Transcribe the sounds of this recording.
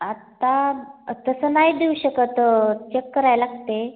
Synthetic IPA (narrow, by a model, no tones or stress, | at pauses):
at̪at̪əsənajd̪euɕəkət̪t͡ɕekːəɾajlaɡt̪e